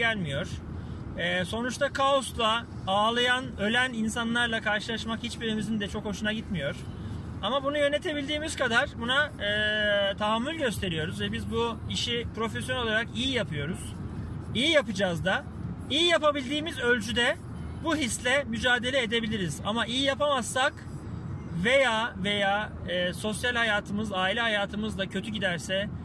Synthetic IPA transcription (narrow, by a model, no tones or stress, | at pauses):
ælʲmijo̞ɾ̥ | ɛːso̞nut͡ʃt̪ʰakʰaoslˠa | aːlˠajanølʲæninsanlˠaɾlˠakʰaɾʃɯlˠaʃmakhit͡ʃbiɾimizind̪ɛt͡ʃʰo̞kho̞ʃunaɟit̪mijo̞ɾ̥ | amabunujø̞ne̞t̪ʰe̞bilʲd̪iːmiz̥kad̪aɾ̥bunaː | t̪ʰaɦamːylʲɟø̞st̪ʰe̞ɾijo̞ɾuzvɛbizbuiʃipɾo̞fesjonɛlo̞lˠaɾakijijapʰɯjo̞ɾuz̥ijijapɯd͡ʒazd̪a | ijijapabilʲd̪iːmizø̞lʲt͡ʃʰyd̪ɛ | buɦislʲɛmyd͡ʒaːd̪e̞lʲɛed̪e̞bilʲiɾiza̰maʔijijapamasːak | ve̞jaːve̞jaː | so̞sjalʲhajaːt̪ʰɯmɯzaːilʲɛɦajaːt̪ʰɯmɯzd̪acʰø̞t̪ʰyɟid̪æɾsɛ